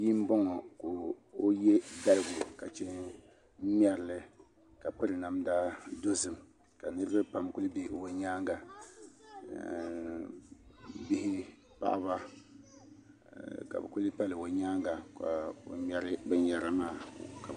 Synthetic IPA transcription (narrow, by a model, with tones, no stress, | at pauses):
ji˦m˦bɔ˦ŋɔ˨ko˨o˦jɛ˦da˦lɨ˦ɡʊ˨ka˨t͡ʃɛ˦ | mi˦ɛ˦ɾɪ˨˦lɨ˦ | ka˨pɨ˦ɾɨ˨na˨mdaː˦do˦zɨ˦m | ka˨nɨ˦ɾɨ˦ba˦pa˨mku˦lɨ˦be˦˨o˨ɲaː˦ŋɡa˨ | bi˦hɪ˦ | pa̰˦ʔa̰˦βa˦ | ka̰˨bɛ̰˨ku˦lɨ˦pa˦lɨ˨o˨ɲaː˦ŋɡa˨ka̰˨o̰˨mɛ˦ɾɪ˦bɛ˦ɲɛ˨ɾa˦maː˦˨ka˨